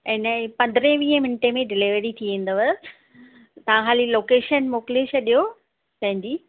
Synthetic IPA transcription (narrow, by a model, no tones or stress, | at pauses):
ɪnəpɐ̃nd̪ɾẽʋiːɦə̃mɪnɪʈemẽɖɪliʋɾit̪ʰiʋẽːn̆d̪əʋə | t̪ɐʋãxaːliloːkeːʃənmoːkleːʃɐɗijo | t̪ɐ̃ɦɪ̃ɲd͡ʑiː